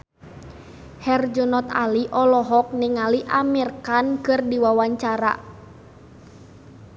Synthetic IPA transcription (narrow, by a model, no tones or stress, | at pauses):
hɛrd͡ʒunɔt̪a̰liʔɔlɔɦɔk̚niŋaliʔamirkankɨrdiwawaɲt͡ʃaɾa̰